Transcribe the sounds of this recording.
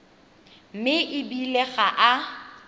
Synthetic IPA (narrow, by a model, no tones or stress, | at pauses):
m̩mɪʔɪbileɣaʔa